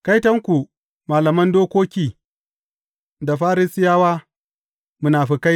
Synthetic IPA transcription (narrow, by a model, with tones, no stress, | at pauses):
ka˦jtɐ˦ŋkʷu˨ | maː˨lɐ˨mɐ˦ndoː˦kʷoː˦kʲiː˨ | da˨ɸaː˦ɾi˦sɪ˦jaː˦waː˦ | mʊ˦naː˨ɸi˨ka˦j